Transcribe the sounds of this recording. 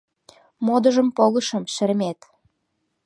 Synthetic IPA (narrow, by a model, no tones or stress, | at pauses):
mod̪ə̆ʒə̆mpoɣə̆ʃə̆mʃɘ̆ɾmet̪